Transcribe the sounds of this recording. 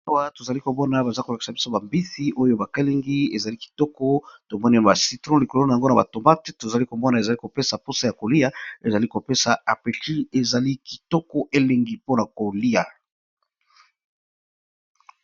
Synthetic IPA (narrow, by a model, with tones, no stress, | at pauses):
a˦wa˦to˨za˨li˦ko˨mɔ˦na˨ba˨za˦ko˨la˨ki̥˨sa˨bi˦so˦ba˨mbi˦si˦ʔo˦jo˦ba˨ka˦le˦ŋɡi˦e˨za˨li˦ki̥˨tɔ˦kɔ˦to˨mɔ˦ni˦˨ba˨si˨˦tʁɔ̃˦li˨ko˨lo˦na˨a˨ŋɡo˦na˨ba̰˨to˨ma˦te˦to˨za˨li˦ko˨mɔ˦na˨e˨za˨li˦ko˨pe˦sa˨po˦sa˦ja˨ko˨li˦a˦e˨za˨li˦ko˨pe˦sa˨a˨pe˨ti˦e˨za˨li˦ki˨tɔ˦kɔ˦ʔe˦le˨ŋɡi˦po˦na˨ko˨li˦ja˨